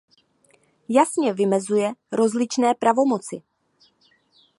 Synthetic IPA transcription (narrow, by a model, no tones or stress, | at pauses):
jasɲɛvɪmɛzujɛɾo̞zlɪt͡ʃnɛːpɾavo̞mo̞t͡sɪ